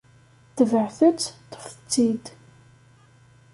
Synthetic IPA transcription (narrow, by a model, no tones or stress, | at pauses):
t̪əvəʕθət͡sːt̪ːə̥fət͡sːid̪